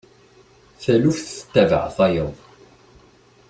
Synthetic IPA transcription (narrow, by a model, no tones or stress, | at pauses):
θælufθə̥t̪ːævə̰ʕθɑjəðˤ